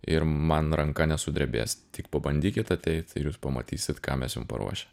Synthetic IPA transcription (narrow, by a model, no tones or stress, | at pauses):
ɪɾmɐnɾɐŋkɐnʲɛsʊd̪ʲɾʲɛbʲḛːsʲt̪ʲɪkpɐbɐnʲd̪ʲiːkʲɪt̪ɐt̪ʲɛɪt̪ʲɪɾjuːspɐmɐ̰t̪ʲiːsʲɪt̪kɑːmʲɛsjʊmpɐ̰ɾṵɔʃʲɛ̥